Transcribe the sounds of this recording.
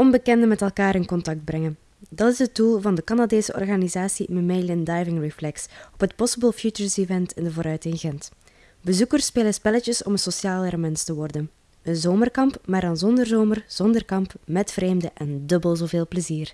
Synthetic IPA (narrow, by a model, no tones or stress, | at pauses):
ɔnbəkɛndəmɛtɛlˠkaːɾɪnkɔntɑk̚d̚brɛŋən | dɑtɪsɦət̚dulˠvɑndəkɑnadeːsəɔ̰rɣanizaːsiməmeːləndajvɪŋɹiflɛksɔpɦətpɔsəbəlˠfjut͡ʃəɹsivɛntɪndəvoːɾœɥtɪŋɣɛnt | bəzukərspeːləspɛlət͡ʃəsɔmənsosjaːlˠɛɾmɛntstəʋɔrdən | ənzoːmərkɑmpmaːrdɑnzɔndərzoːmərz̥ɔndərkɑmpmɛtfreːmdəʔɛndɵbəlˠzoːveːlˠpləziːr